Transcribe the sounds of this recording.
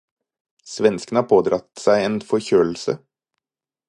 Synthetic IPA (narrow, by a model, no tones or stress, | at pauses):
sʋɛnskənəhɑːpʰoːd̪ɾɑt̪sæɪeːnfɔɾçøːl̩sə̰